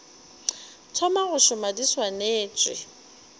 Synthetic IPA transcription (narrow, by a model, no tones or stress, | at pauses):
t͡sʰɔmaɣʊʃʊmadiswaneːt͡ʃʼwɪ̰